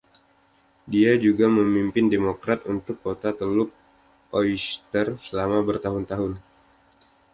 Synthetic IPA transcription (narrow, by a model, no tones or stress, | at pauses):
diad͡ʒuɡaməmimpɪndemokɾat̪unt̪ʊkːot̪at̪əlʊk̚ | oist̪ərsəlamabərt̪aɦʊnt̪aɦʊn